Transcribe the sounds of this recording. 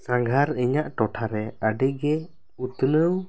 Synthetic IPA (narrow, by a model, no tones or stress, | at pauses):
sãŋɡʱaɾɛɲaʔʈɔʈʰaɾɛəɖəɡɛ | ut̪ənəw